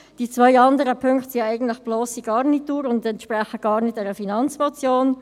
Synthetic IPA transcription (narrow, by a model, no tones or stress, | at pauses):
d̥it͡svœʏɑndəɾəpʰʏŋktsɪæɪɡən̩tlɪxb̥lɔːsiɡ̥ɑːʁnit̚ːuːɾʊndɛntʃprɛxəɡ̥ɑːɾnɪtɛɾəfinɑnt͡smɔt͡sjoːn